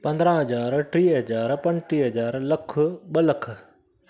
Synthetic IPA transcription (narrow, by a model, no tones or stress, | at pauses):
pɐ̃nd̪ɾãːɦɐd͡ʑaːɾʈɾiːɦɐd͡ʑaːɾpɐ̃nʈiːɦɐd͡ʑaːɾlɐkʰʊɓəlɐk̆ʰ